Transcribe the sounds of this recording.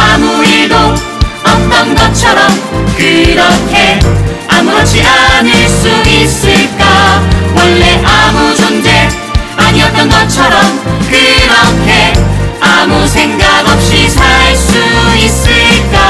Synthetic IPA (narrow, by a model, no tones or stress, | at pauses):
amuiɭdo | ʌŋdʌnɡʌt͡ɕʰʌɾʌmkɯɾʌkʰe̞ | amuɾʌɕʰiɾaniɭs͈uis͈ɯɭk͈awʌɭːe̞ʔamud͡ʑond͡ʑe̞ | aɲiʌt̪͈ʌnɡʌt͡ɕʰʌɾʌmkɯɾʌkʰe̞amusʰe̞ŋɡaɡʌp̚ɕ͈isʰaɭs͈uis͈ɯɭk͈a